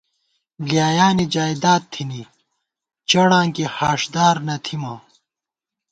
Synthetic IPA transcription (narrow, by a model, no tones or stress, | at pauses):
lijaːjaːnid͡ʑaːjd̪aːt̪ʰːini | t͡ɕɐɽãːkihaːʂd̪aːɾnɐt̪ʰimɐ